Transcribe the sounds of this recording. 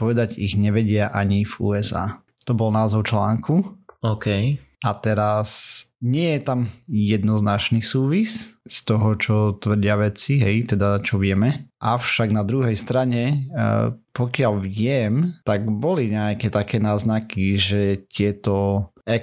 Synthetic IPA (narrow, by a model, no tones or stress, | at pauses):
pɔʋɛd̪aɟiɣɲɛʋɛɟɪaʔaɲivuːɛza̰ː | t̪ɔbɔlnaːzɔʊt͡ʃlaːŋkʰuɔkɛjat̪ɛɾasɲɪɛjɛt̪amjɛd̪nɔznat͡ʃnisuːʋisst̪ɔɦɔt͡ʃɔt̪ʋr̩ɟɪaʋɛt͡siɦɛjt̪ɛd̪at͡ʃɔʋɪɛmɛʔaʊʃaɡnad̪ɾuɦɛjst̪ɾaɲɛ | pɔkɪaʎʋɪɛmt̪aɡbɔliɲɛakɛt̪akɛːnaːznakiʒɛt̪ɪɛt̪ɔɛ